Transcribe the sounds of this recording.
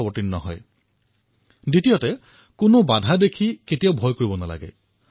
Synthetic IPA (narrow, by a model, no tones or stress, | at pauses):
ɔbɔtinnɔɦɔ̰j | ditijɔtɛ | kʊnobadʱadekʰiketijaʊbʱɔjkoɹibɔnala̰ɡɛ̰